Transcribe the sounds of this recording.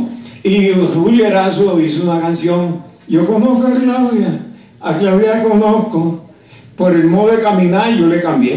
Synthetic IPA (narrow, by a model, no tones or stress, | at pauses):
iruljeɾasoðis̬ounakansjoŋ | ʝokonohkoarilawðja | aklawðjakonohko | poɾelmoðoðekamĩnaɾʝolekambje